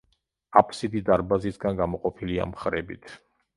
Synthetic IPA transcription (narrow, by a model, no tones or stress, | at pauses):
apʰsid̪id̪aɾbazisɡanɡamɔqʼɔpʰilia̰mχɾɛbḭt̪ʰ